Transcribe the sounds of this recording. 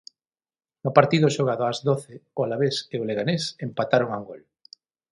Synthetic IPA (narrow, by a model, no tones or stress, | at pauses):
nʊpaɾt̪iðʊʃoɣ̞aðʊazðoθɪʊalaβeseoleɣanesempat̪aɾʊŋauŋɡol